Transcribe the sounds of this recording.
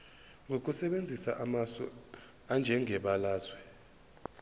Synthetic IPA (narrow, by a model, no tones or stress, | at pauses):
ŋɡʱok̬ʼusɛɓend͡zʱisaʔamasɔ̰ | and͡ʒʱɛŋʱɛɓalaːzwɛ